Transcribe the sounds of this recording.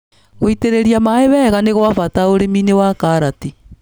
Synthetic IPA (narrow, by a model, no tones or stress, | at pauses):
ɣoiteɾeɾiamaeβɛːɣaneɣwafataoɾeminewakaɾati